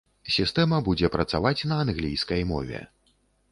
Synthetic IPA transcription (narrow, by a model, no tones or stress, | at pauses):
sʲist̪ɛmɐbud͡zʲɛpɾɐt̪savat͡sʲnɐːnɣlʲijskɐjmɔ̰vʲɛ̰